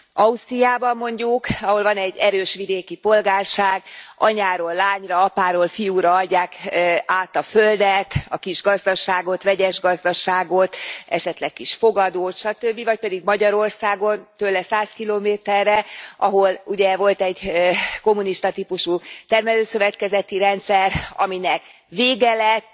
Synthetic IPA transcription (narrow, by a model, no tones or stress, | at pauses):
ɒust̪rijaːbɒmːo̞ɲɟukɒɦo̞lvɒnɛɟːɛɾøːʃʋid̪eːkipo̞lɡaːrʃaːɡɒ̰ɲaːɾoːlːaːɲrɒɒpaːɾoːlfijuɾɒɒɟːaːkaːt̪ɒføld̪ɛt̪ɒkiʒɡɒzd̪ɒʃaːɡo̞t̪ʋɛɟɛʒɡɒzd̪ɒʃaːɡo̞t̪ɛ̰ʃɛt̪lɛk̚kiʃfo̞ɡɒd̪oːt̪ʃɒt̪øbːivɒc̚pɛd̪iɡmɒɟɒɾo̞rsaːɡo̞nt̪ølːɛsaːskiloːmeːt̪ɛrːɛʔɒɦo̞luɟɛvo̞lt̪ɛɟko̞muniʃt̪ɒt̪ipuʃut̪ɛrmɛløːsøvɛt̪kɛzɛt̪iɾɛnt̪sɛrɒ̰minɛk | ʋveːɡɛlɛt̪ː